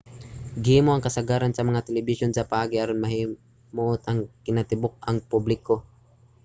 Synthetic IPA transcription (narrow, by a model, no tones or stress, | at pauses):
ɡɪhiːmoʔɐŋkɐsɐɡaːɾansɐmɐŋat̪ɛlɛbɪʃonsɐpɐʔaːɡiʔaɾonmɐhi | moʔʊt̪ɐŋkɪnat̪ɪbok̚ɐŋpublɪko